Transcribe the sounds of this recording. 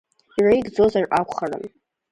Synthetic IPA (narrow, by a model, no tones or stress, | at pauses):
irajɡd͡zo̞zarʔakʷχarɨ̰m